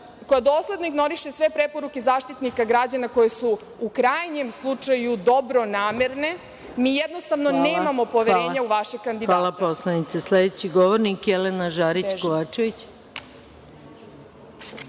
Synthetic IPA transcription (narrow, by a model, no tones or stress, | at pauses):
ko̞jad̪o̞ːslˠe̞d̪noiɡno̞ɾiʃe̞sʋe̞pɾepo̞ɾuke̞zaːʃt̪it̪nikaɡɾad͡ʑanako̞jesu | ukɾajɲemslˠut͡ʂajud̪o̞bɾo̞naːmeɾne̞ | miːjed̪nost̪aʋnone̞ːmamo̞po̞ʋeɾeːɲauʋaʃeɡ̚kːand̪idʋ̪aːalˠaposlˠanit̪sesled̪et͡ɕiɡoʋoɾnikjelenaʒaːɾit͡ɕkoʋaːt͡ʃeʋit͡ɕ